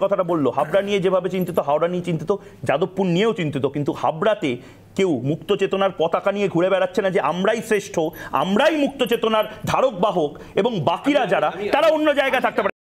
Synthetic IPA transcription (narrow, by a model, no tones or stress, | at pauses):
ɔt̪ʰaʈabolːoɦabɾanijed͡ʑebʱabet͡ɕint̪it̪oɦaoɽaniet͡ɕint̪it̪o | d͡ʑad̪opːunnijeot͡ɕint̪it̪okint̪uha̰bɾat̪e | kewmukt̪ot͡ɕet̪onaɾpɔt̪akanijeɡʱuɽebɛɽatːɕʰenad͡ʑeʔamɾajsɾeʃʈʰoa̰mɾajmuk̚t̪ot͡ɕet̪onaɾd̪ʱaɾok̚baɦok | eboŋbakiɾad͡ʑaɾat̪aɾaonːod͡ʑaeɡaet̪ʰak̚t̪epaɾ